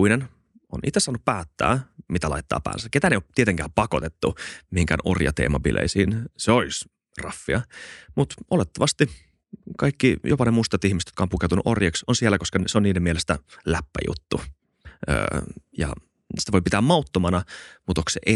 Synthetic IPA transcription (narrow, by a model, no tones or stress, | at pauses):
inen | onʔḭt̪ːˑesːɑːnːuppæːt̪ːæ̰ːmit̪ælɑ̰it̪ːɑ̰ːpæ̰ːnsæket̪æneiot̪iet̪eŋkæːmpɑkot̪et̪ːumihiŋkæ̰no̰rjɑ̰t̪ḛːmɑpḭlʔḛisiːnseolis | rɑfːiɑmut̪olet̪ːɑʋɑst̪i | kɑikːijopɑnemuist̪ɑt̪ihmist̪jo̥tkɑompukewt̪unuʔorjɑksonsielːækoskɑnseoniːdemielest̪ælæpːæ̰jṵt̪ːu | ə̰ːjɑ̰ | si̥t̪æʋoipit̪æːmɑut̪ːomɑnɑmut̪oksḛʔe